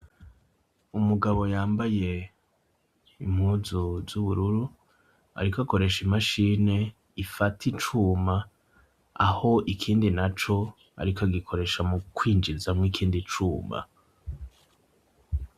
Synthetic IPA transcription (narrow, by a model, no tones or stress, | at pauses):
umuɡaβo̞jaːmbaje̞ | imhuːzuzuβuɾuɾu | a̰ɾikako̞ɾe̞ʃimaʃiːne̞ | ifatʰit͡ʃuːma | aho̞ʔikʰiːndinat͡ʃo̞ | a̰ɾikaɡikʰo̞ɾe̞ʃamukwiːnd͡ʒizamŋiːkʰiːndit͡ʃuːma̰